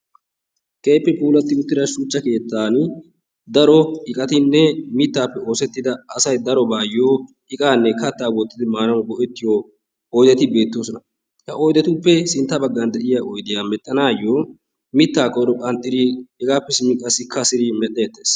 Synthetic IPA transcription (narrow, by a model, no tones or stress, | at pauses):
kʼeːpːɛpʼuːlɐt̪ːɪʊt̪ːɪɾɐʃut͡ʃːɐke̞ːt̪ːaːn | d̪ɐɾɔɪkʼɐt̪ɪnːɛmɪt̪ːaːpːɛo̞ːsɛt̪ːɪd̪ɐːsɐjd̪ɐɾɔbaːjːoː | ɪkʼaːnːɛkɐt̪ːaːwɔt̪ːɪd̪ɪmaːnɐnbɔʔɛt̪ːɪjoː | ɔjd̪ɐt̪ɪbe̞ːt̪ːoːsɔnɐ | hɐʔɔjd̪ɐt̪ʊpːɛsɪnt̪ːɐbɐɡːɐnd̪ɛʔɪjaʔɔjd̪ɪjaːmɛt̪ʼːɐnaːjːoː | mɪt̪ːaːkʼɔɾɔkʼɐnt̪ʼːɪɾiɛɡaːpːɛsɪmɪkʼːɐsɪkʰːɐsɪɾimɛʔʼːeːt̪ːeːs